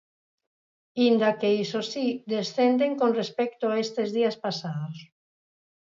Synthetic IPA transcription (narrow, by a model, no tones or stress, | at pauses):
ind̪akeisosiðesθend̪eŋkonrespɛkt̪ʊaest̪ezðiaspasaðos